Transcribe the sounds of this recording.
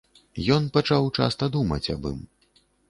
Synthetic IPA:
jɔnpat͡ʂawt͡ʂa̰st̪ɐd̪umɐ̰t͡sʲɐ̰bɨ̰m

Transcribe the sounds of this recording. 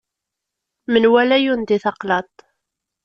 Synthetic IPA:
mənwælæjund̪iθɑqlɑt̪ˤ

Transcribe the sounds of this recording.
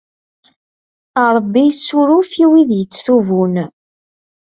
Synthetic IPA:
ɾˤəbːijsːuɾufiwiðjət͡sːθuvun

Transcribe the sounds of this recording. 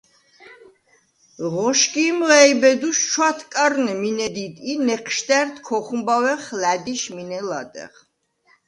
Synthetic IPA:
ʁɔʃkimɛjbɛd̪uʃʃʰwat̪ʰkʼaɾnɛminɛd̪id̪inɛqʰʃt̪æɾt̪ʰkʰɔχumbawɛχlæd̪iʃminɛla̰d̪ɛ̰ʁ

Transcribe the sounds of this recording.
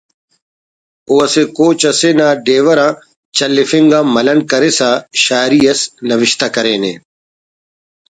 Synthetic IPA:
oːɐseːkoːt͡ɕɐseːnãːɖeːʋɐɾãː | t͡ɕɐlːɪfĩŋɡãːmɐlɐnkɐɾesaːʃaːɾijɐsnɐʋɪʃt̪akɐɾeːnḛ̃ː

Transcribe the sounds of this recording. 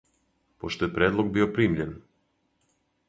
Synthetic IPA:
poʃt̪ojepɾeːd̪lˠoɡ̚biopɾiːmʎen

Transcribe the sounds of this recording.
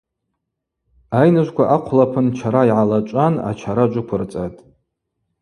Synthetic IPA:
ajnɨʒʷkʷʰaʔaqʷʰlapʰɨnt͡ʃʰaɾaiʕalat͡ʃʷʼana̰t͡ʃʷʰaɾad͡ʒʷʊkʷʰʊrt͡sʼatʼ

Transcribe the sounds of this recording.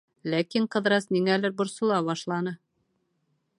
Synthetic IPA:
lækiŋqɤ̆ðɾɑsniŋælɘɾbŏɾsŏlˠɑβɑʃlˠɑnɤ

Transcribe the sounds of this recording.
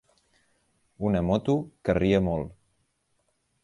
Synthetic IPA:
unəmot̪ukəriəmolˠ

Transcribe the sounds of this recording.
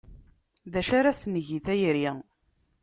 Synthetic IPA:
ðæʃaɾasnəʝiθæjɾi

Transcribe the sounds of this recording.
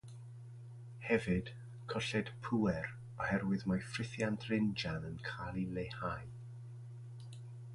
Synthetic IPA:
hɛvɨd̥ | kʰɔɬɛd̥pʰuɛɾ | ɔhɛrwɨðmafrɪθjantʰrɪnd͡ʒanənkʰalˠilejhaj

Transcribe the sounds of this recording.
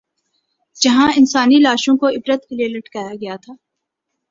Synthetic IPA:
d͡ʒɐɦãɪnsaːnilaːʃõkoɪbɾət̪kelielɐʈkajaɡɐjat̪ʰaː

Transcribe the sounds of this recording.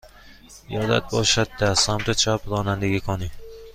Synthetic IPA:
jɒd̪a̰t̪̚bɒʃad̪̚d̪asamt̪at͡ʃʰapɾɒːnand̪aɡʲikʰɒni

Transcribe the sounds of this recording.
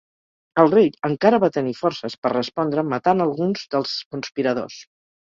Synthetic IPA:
əlˠreʎəŋkaɾəβat̪ənifɔɾsəspərrəspɔnd̪ɾəmət̪anəlˠɣunzd̪əlˠskunspiɾəðo̰s

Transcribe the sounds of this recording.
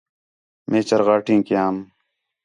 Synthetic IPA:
mʔeːt͡ɕɐɾɣaːʈʰĩːkijaːm

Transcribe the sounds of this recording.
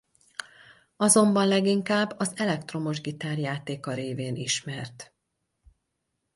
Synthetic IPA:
ɒzo̞mbɒnlɛɡiŋkaːbːɒzɛlɛkt̪ro̞mo̞ʒɡit̪aːrjaːt̪eːkɒɾeːveːniʃmɛrt̪

